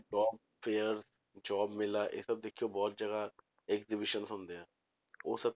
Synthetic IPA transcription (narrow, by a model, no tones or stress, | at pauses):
ɖɔːb̚ | pʰeːəɾz | d͡ʒɔːbmɪlaːʔḛːsəb̚d̪ekʰːijoːbɔːt̪̚d͡ʒəɡa | ɛkzɪbɪʃənsʊ̃nd̪eãː | o̰ːsəb̚